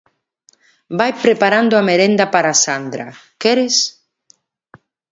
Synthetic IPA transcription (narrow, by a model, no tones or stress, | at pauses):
bajpɾepaɾand̪oameɾend̪apaɾasand̪ɾa̰kɛɾes